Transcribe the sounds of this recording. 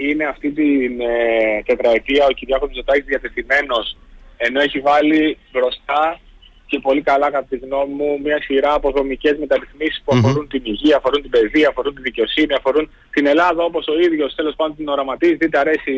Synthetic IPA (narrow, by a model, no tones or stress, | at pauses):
ine̞ɐft̪it̪int̪e̞t̪ɾɐet̪iɐociɾʝɐkomzot̪ɐcizðiɐt̪e̞θime̞no̞s | e̞no̞eçivɐlibɾo̞st̪ɐ | ce̞po̞likɐlɐkɐt̪ɐt̪iɣno̞mimumɲɐsiɾɐːpo̞ðo̞mice̞zme̞t̪ɐɾiθmisi̥spuɐfo̞ɾunt̪iniʝiɐːfo̞ɾunt̪ibe̞ðiɐɐfo̞ɾunt̪iðice̞o̞siniɐfo̞ɾun | t̪ine̞lɐðɐo̞po̞so̞iðʝo̞st̪e̞lo̞spɐnd̪ont̪ino̞ɾɐmɐt̪izðed̪eɐɾe̞si